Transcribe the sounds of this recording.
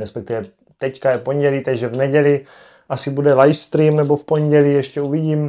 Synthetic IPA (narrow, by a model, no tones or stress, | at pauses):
ɾɛspɛk̚t̪ɪvɛ | t̪ɛckajɛpoɲɟɛliːt̪aɡʒɛvnɛɟɛlɪ | ʔasɪbudɛlajfst̪ɾiːmnɛbo̞fpo̞nɟɛliːjɛʃcɛuviɟiːm